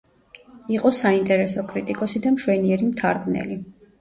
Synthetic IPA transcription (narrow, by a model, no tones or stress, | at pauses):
iqʼɔsaint̪ʼɛɾɛsɔkʼɾit̪ʼikʼɔsid̪amʃwɛniɛɾimt̪ʰaɾɡnɛ̰li